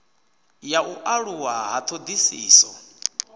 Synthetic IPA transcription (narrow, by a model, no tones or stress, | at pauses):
jaʔuʔaɺuwaɦat̪ʰod̪isiːsɔ